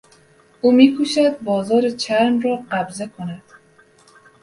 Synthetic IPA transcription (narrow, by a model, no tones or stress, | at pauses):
umikʰuʃad̪̚bɒzɒɾit͡ʃʰaɾnɾɔqabzakʰunad̪̥